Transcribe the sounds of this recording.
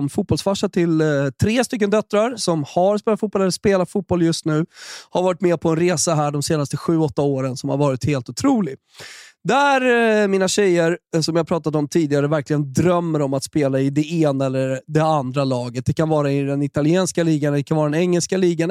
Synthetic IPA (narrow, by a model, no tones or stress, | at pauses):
mfuːbɔlsfaʂːat̪ʰɪlt̪ʰɾeːst̪ʏk̬ːənd̪œt̪ːɾaɾsɔmhaɾspeːlat̪fuːt̚bɔlɛlːəspeːlat̪fuːt̪̚bɔljɵst̪nʉ̟ːhaɾvɑːɾɪt̪mɛːpʰɔɛnɾeːsaɦæːɖɔmseːnast̪əɧʉ̟ːɔt̪ːaoːɾənsɔmhaɾvɑːɾɪt̪heːlt̪ʊt̪ʰɾuːlɪ | d̪æɾmiːnaɕɛjəɾsɔmjɪhaɾpʰɾɑːt̪ad̪ɔmt̪ʰiːd̪ɪɡaɾəvæɾklɪɡənd̪ɾœmːəɾɔmat̪speːlaɪd̪ɛeːnaɛlːəɾɖ̪ɛand̪ɾalɑːɡət̪̚d̪ɛkʰanvɑːɾaɪd̪ɛnɪt̪alɪɛːnskaliːɡand̪ɛkʰanvɑːɾad̪ɛnɛŋːɛlskaliːɡa